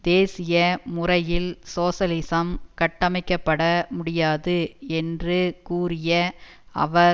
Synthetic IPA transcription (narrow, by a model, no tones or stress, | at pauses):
d̪eːsɪjɐmʊrɐjɪlsoːsɐlɪsɐmkɐʈːɐmɐɪkːɐpːɐɽɐmʊɽɪjaːðɯɛndrɯkuːrɪjɐ | ɐ̰ʋɐ